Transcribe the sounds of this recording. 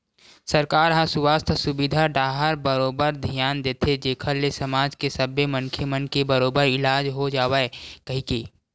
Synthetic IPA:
səɾkaːɾɦãsʊwaːst̪ʰsʊbɪd̪ʱaɖaːɦəɾbəɾoːbəɾd̪ʱijaːnd̪eːt̪ʰed͡ʒeːkʰəlːesəmaːd͡ʒkesɐbemənkʰemənkebəɾoːbəɾɪlaːd͡ʒɦod͡ʒaːwaekɐɦĩkeː

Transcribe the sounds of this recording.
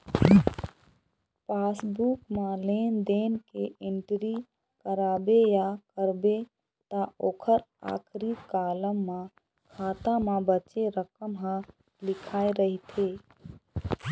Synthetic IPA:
paːsbukmalend̪enkeʔɪɳʈɾi | kəɾaːbejakəɾbe | t̪əoːkʰəɾa̰ːkʰɾikaːləmːã | kʰaːt̪amãbət͡ʃeɾəkəmɦə̃ | lɪkʰaːeɾəɦit̪ʰe

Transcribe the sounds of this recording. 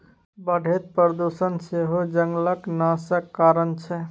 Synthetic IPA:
bəɖʱet̪̚pəɾd̪usənseɦod͡ʒəŋɡləknasəkːaɾənt͡ʃʰɛ

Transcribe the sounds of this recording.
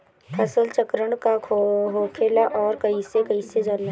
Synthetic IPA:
pʰɐsəlt͡ʃəkɾəɳkakʰɦoːkʰeːlaʔɔːɾkɐisekɐised͡ʒɐlː

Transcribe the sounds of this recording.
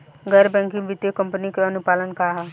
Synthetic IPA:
ɡəɾbɛ̃ːŋkɪ̃ŋʋɪt̪jekə̃mpənikeɐnʊpaːlənkaɦa

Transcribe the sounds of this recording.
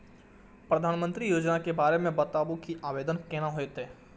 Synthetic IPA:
pɾɐd̪ʱaːnmə̃nt̪ɾijoːd͡ʒnakebaːɾemẽbɐt̪aːbukiʔaːʋeːd̪ənkɛːnaɦoet̪ɦɛː

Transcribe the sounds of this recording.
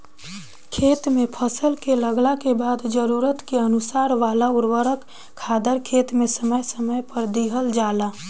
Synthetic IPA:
kʰeːt̪mẽpʰəsəlkeləɡlakebaːd̪d͡ʒəɾuɾət̪keənʊsaːɾʋaːlaʊɾwəɾək | kʰːaːd̪əɾkʰeːt̪mẽsəməjsəməjpəɾd̪iɦəld͡ʒaːlaː

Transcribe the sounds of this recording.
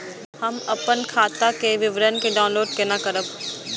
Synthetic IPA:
hɐmɐpənkʰaːt̪akeʋɪʋɾənkeɖaːʊnloːɖkenakɐɾəb

